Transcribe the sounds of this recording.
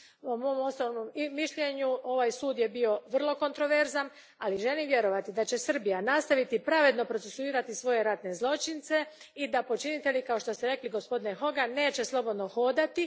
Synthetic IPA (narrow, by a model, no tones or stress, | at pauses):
pomo̞mo̞snoʋnommiʃʎeɲuo̞ʋajsuːd̪jebio̞ʋr̩lˠo̞ko̞nt̪ɾo̞ʋe̞ɾzan | aliʒe̞limje̞ɾo̞ʋat̪id̪at͡ɕe̞sr̩bijanast̪aʋit̪ipɾaʋe̞d̪no̞pɾo̞t̪sesuiːɾat̪isʋo̞je̞ɾat̪ne̞zlˠo̞t͡ʃint̪se̞ | id̪apo̞t͡ʃinit̪e̞likao̞ʃt̪o̞st̪eɾe̞kliɡo̞spo̞d̪inexo̞ɡane̞ːt͡ɕe̞slˠo̞bo̞d̪no̞xo̞d̪at̪i